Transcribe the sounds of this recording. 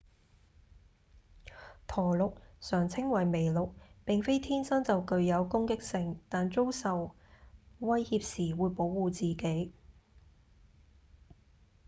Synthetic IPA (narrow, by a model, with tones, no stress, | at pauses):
t̪ʰɔː˨˩lʊ˨k̚sœː˨˩ŋt͡sʰɪ˥ŋwɐ˨˩jme˨˩jlʊ˨k̚pɪ˨ŋfe˥jt̪ʰiː˥nsɐ˥nt͡sɐ˨wkɵ˨˧ɥjɐ˨˧wkʊ˥ŋkɪ˥k̚sɪ˨˧ŋt̪aː˨nt͡so˥wsɐ˨w | wɐ˥jhiː˧p̚siː˨˩wuː˨˧jpo˨˥wːuː˨t͡siː˨ke˨˥j